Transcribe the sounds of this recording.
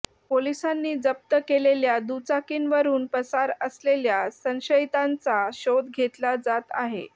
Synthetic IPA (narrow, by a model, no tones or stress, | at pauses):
polisanːiːd͡zəp̚t̪əkeleljad̪ut͡sakiːnʋəɾuːnpəsaɾəsleljasə̃nɕəit̪ant͡saɕod̪ɡʱet̪lad͡zat̪a̰ɦḛ